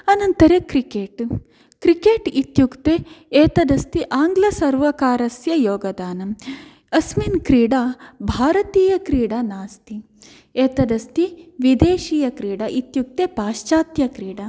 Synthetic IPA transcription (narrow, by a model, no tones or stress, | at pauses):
ɐnɐnt̪ɐɾekɾikeːʈ | kɾikeːʈit̪jukt̪eeːt̪ɐd̪ɐst̪iʔaːŋɡlɐsɐɾʋɐkaːɾɐsjɐjoːɡɐd̪aːnɐm | ɐsminkɾiːɽabʱaːɾɐt̪iːjɐkɾiːɽɐnaːst̪i | eːt̪ɐd̪ɐst̪iʋid̪eːʃiːjɐkɾiːɽɐʔit̪juk̚t̪epaːʃt͡ʃaːt̪jɐkɾiːɽɐ